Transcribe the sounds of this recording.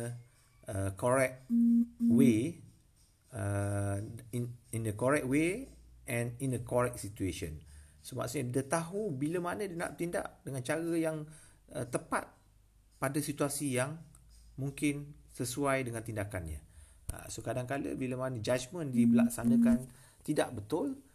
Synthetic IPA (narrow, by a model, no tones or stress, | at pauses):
ə | əkoɾɛk̚ | we | ə | ninəkɔɹɛk̚t̚weʔɛ̃ninəkɔɾɛk̚sit̪ueʃə̰nsəma̰ʔsuɲadət̪aɦubiləmanə̃dina̰ʔ̚t̪inda̰ʔdəŋant͡ʃaɾəjaŋ | ət̪əpa̰t̪̚ | padasit̪uasijaŋmũŋkɪn | səsuajdəŋãnt̪indakanɲã̰ | ə̰sokadaŋkalə̰biləmanəd͡ʒad͡ʒmə̃ndibəlaksanə̃kan | t̪ida̰ʔbət̪ʊl